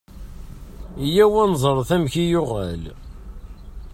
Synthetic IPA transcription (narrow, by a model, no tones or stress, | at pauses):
ijæwænzˤəɾˤθæmçijʊʁæ̰l